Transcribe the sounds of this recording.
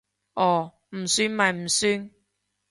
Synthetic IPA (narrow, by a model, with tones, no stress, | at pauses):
ʔɔː˨˩ | m̩˨˩syː˥nma˨˩m̩˨˩syː˧˥n